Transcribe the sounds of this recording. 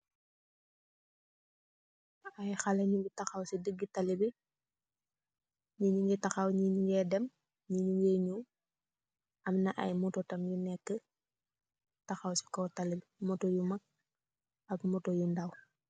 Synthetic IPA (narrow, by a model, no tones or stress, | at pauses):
ajxaleɲuɡitaxawsidəɡːitalibi | ɲiɲuŋɡitaxawɲiɲuŋɡɛdɛm | ɲiɲuŋɡeɲu | ɐmnaʔa̰jmutɔtɐmjunɛkːə | taxawsi̥kɔtalibimɔtojumak̚ | akmɔtojundaw